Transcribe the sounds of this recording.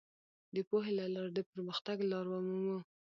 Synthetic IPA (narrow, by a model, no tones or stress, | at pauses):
d̪əpoɦelalɑɾd̪əpəɾməxt̪aɡlɑɾwɑmumu